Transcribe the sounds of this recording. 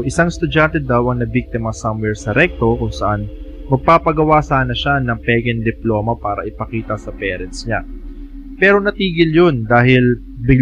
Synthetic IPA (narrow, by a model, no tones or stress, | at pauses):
ʔɪsaŋst̪ʊd͡ʒant̪ɛd̪awʔɐŋnɐbik̚t̪ɪmɐsɐmwɛɹsɐɾɛk̚t̪o̞kʊŋsɐʔan | mɐɡ̚paːpɐɡɐwasaːnɐʃanɐŋpɛːɡɛnd̪ɪplo̞ːmɐpaːɾɐ̰ʔɪpɐkiːt̪ɐsɐpɛːɾɛnt̪sɲa | pɛːɾo̞nɐt̪iːɡɪljond̪aːɦɪl | bɪ